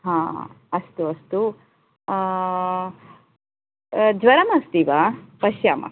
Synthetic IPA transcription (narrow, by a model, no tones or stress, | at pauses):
ɦãː | ɐst̪uɐst̪u | d͡ʒʋɐɾɐmɐst̪iːʋapɐʃjaːmɐ̰